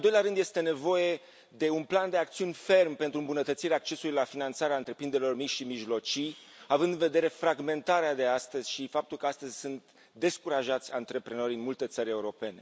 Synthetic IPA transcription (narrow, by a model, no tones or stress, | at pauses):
nnld̪ojlʲaɾɨnd̪je̞st̪e̞ne̞vo̞je̞ | d̪e̞unpland̪eak̚t̪siunʲfe̞rmpe̞nt̪ɾuɨmbunət̪ət̪siɾeaːk̚t͡ʃe̞suluijlafinant̪saɾeaɨnt̪ɾe̞pɾind̪eɾelo̞rmiʃimiʒlo̞t͡ʃijavɨnd̪ɨnve̞d̪e̞ɾe̞fɾaɡme̞nt̪aɾead̪e̞ast̪əzʲʃifap̚t̪ulkəast̪əzʲsunt̪ | d̪e̞skuɾaʒat̪sʲant̪ɾe̞pɾe̞no̞ɾʲɨnmult̪e̞t̪səɾʲe̞uɾo̞pe̞ne̞